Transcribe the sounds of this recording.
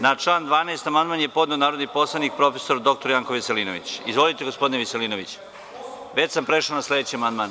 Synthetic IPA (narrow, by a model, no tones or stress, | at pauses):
naʈ͡ʂlˠaːnd̪ʋaːnaest̪amand̪manjepo̞d̪neonaːɾo̞d̪nipo̞slˠanik̚pɾo̞feso̞ɾd̪o̞k̚t̪o̞ɾjaŋkoʋiseliːno̰ʋḭt͡ɕizʋo̞lit̪eɡospo̞d̪ineʋiseliːnoʋit͡ɕ | ʋet͡ɕsampɾeʃaonasle̞d̪et͡ɕiamand̪maːn